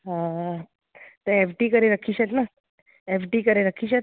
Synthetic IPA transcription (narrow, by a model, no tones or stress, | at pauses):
ɦã | t̪ɛ̃ɛfʈiːkəɾeɾəkʰːiːɕɛt̪na | efʈiːkəɾeɾəkʰːiːɕat̪̚